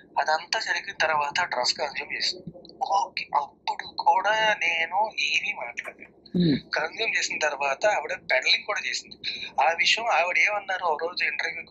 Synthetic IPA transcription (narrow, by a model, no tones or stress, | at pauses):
ɐd̪ɐnt̪aːd͡ʒɐɾiɡinɐt̪ɐɾʋaːt̪ɐʈɾɐskɐnzuːmt͡ʃe̞ːsind̪iioːkeʔɐpːuɽukʰuːɽaːneːnueːniːmaːʈlaːɽɽe | kɐnzuːmt͡ʃeːsinɐt̪ɐɾɐʋaːt̪ɐːʋiɽeːpɛʈɐliŋɡkuːɽaːt͡ʃeːsind̪iaːʋiʂɐjɐmaːʋiɽeːmɐnːaːɾuɐɾoːd͡ʒuiɳʈɐɾʋjuk